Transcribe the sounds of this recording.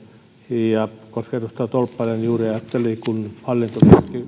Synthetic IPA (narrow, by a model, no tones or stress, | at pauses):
jɑkosket̪ust̪ɑt̪olpːɑlɑnjuːriɑjɑt̪ːelikunhɑlːint̪ukiski